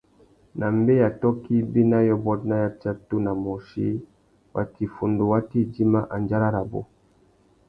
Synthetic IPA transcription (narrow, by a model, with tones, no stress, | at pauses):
na˨mbe˦ja˨tɔ˦ki˦bi˦na˦jɔ˦bɔ˦tna˦ja˦t͡ʃa˦tu˦na˨mɔ˨ʃḭ˦ | wa˨ti˨fu˨ndo˨wa˦ti˦d͡ʒi˦ma˦ʔa˨nd͡ʒa˦ɾa˦ɾa˨bo̰˦